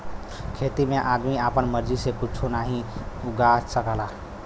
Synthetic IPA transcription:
kʰet̪imeʔad̪miapənməɾd͡ʒisekut͡ʃʰunaɦĩuɡasəkəla

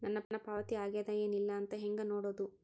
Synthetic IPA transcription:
nɐnːɐnːɐpaːʋɐt̪iaːɡeːd̪ɐjeːnilːɐːnt̪ɐɦeŋɡɐnoːɽoːd̪u

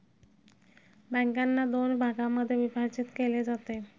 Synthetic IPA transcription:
bɛŋkanːad̪onbʱaɡamad̪ebipaɾd͡ʑit̪keled͡ʑat̪e

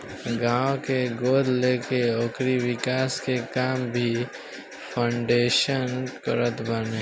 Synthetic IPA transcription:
ɡãːʋkeɡoːd̪leːkeoːkɾiwɪkaːskekaːmbʱi | pʰãːɳɖeːʃənkəɾət̪bəneː

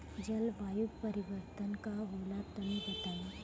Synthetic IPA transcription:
d͡ʑəlʋajuɡpəɾiʋəɾt̪ənkaʋolat̪ːəmiɦot̪ala

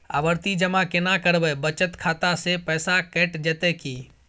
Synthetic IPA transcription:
a̰ːʋəɾt̪id͡ʒəmãkenakəɾʋeːbət͡ʃət̪kʰaːt̪asepɛːsakɛːʈd͡ʒet̪ekiː

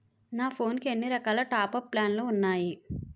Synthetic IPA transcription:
naːpʰo̞ːnkienːiɾɐkaːlɐʈaːpɐpːlaːnloːunːaːji

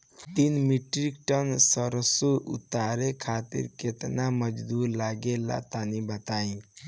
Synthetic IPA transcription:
t̪inmiʈɾikʈənsəɾəsuʔṵt̪aɾekʰat̪ḭɾket̪naməd͡ʒd̪uɾlaɡela̰t̪anibət̪aĩ

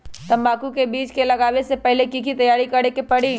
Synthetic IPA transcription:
t̪ɐmbaːkukebiːt͡ʃkelɐɡaːʋesepɛɦlekikit̪ɐjaːɾikɐɽekepɐɽiː

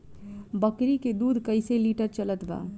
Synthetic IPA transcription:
bəkɾiked̪uːd̪ʱkəɪseliːʈəɾt͡ʃələt̪ba̰ː

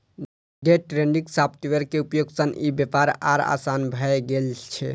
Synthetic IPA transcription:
ɖeʈɾenɖiksapt̪iʋəɾkeupjoɡsənibjepaɾa̰ɾa̰sanbʱəeɡelt͡ʃʰɛ

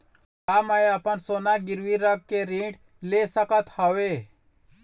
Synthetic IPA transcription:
amajapənsoːnaɡɪɾʋiɾəɡ̚keɾĩːɖ | lesəkət̪hɔʋe

